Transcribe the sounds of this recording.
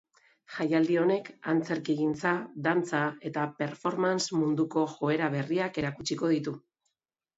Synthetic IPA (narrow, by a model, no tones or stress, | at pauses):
ʝajald̪io̞ne̞kant͡se̞ɾkiɣint͡saðant͡sae̞t̪ape̞ɾfo̞ɾmansmund̪uko̞ʝo̞e̞ɾaβ̞e̞riake̞ɾakut͡ʃiko̞ðit̪u